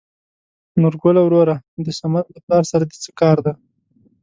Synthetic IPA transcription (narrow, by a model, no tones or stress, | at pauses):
nʊɾɡʊlawɾoɾad̪əsamad̪laplɑɾsaɾad̪et͡səkɑɾd̪a